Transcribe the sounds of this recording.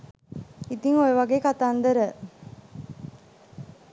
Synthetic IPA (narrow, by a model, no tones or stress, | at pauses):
it̪iŋojəʋaɡeːkat̪aːnd̪əɾə